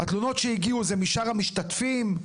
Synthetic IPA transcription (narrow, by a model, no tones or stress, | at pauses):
hat̪luno̞t̪ʃeiɡiuzemiʃaʁamiʃtat̪fim